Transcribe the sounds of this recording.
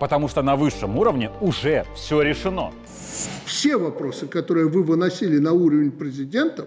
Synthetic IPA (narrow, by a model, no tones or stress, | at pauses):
pət̪ɐmuʂt̪onɐvɨʂːəmuɾəvnʲɪʊʐɛfsʲoɾʲɪʂɨno̞̰ | fsʲevɐpɾo̞sɨkɐt̪o̞ɾɨjəvɨvɨnɐsʲilʲɪnɐuɾəvʲɪnʲpɾʲɪzʲɪdʲe̞nt̪ə